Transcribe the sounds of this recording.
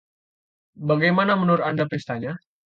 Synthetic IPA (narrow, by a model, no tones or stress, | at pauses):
baɡajmanamənuɾandapɾist̪aɲa